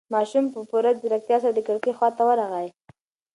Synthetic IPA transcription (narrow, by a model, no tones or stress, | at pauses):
mɑʃumpəpuɾazəɾak̚t̪jɑsaɾd̪əkəɽkəxwɑt̪awəɾaɣaje